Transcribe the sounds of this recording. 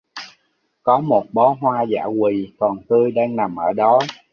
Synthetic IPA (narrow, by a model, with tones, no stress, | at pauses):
kɔ˨˦mo˨˩t̚ɓɔ˨˦ɦwaː˧za̰ː˧˩kwi˨˩kɔ˨˩nt̪ɨ˧jɗaː˧ŋna˨˩mʔəː˧˩ɗɔ˨˦